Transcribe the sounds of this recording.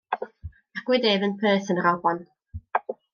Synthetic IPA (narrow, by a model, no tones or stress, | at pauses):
aɡ̥wɪdeːvənpʰəːθənɾɔbɔn